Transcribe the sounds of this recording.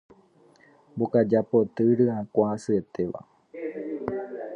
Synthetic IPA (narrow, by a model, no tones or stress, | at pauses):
mbokad͡ʒapot̪ɨɾɨakʷasɨet̪eʋa̰